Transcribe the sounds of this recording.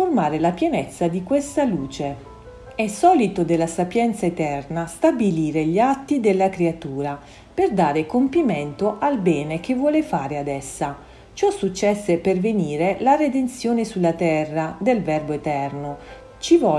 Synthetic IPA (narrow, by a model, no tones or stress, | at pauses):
ormaːɾelapjɛnɛt̪sːad̪ikwest̪aluːt͡ʃe | ɛsɔːlit̪od̪elːasapjɛnt̪saet̪ɛrnast̪abiliːɾeʎat̪ːid̪elːakɾeat̪uːɾa | perd̪aːɾekompiment̪oʔalbɛːnek̟evːwɔːlefaːɾead̪ɛsːa | t͡ʃɔsːut͡ʃːɛsːeperveniːɾelared̪ent̪sjoːnesulːat̪ɛrːad̪elvɛrboet̪ɛrno | t͡ʃivɔ